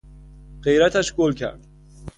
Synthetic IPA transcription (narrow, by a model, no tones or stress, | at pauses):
ɢe̞jɾæt̪ʰæʃɡolcʰæ̰ɾd̪̥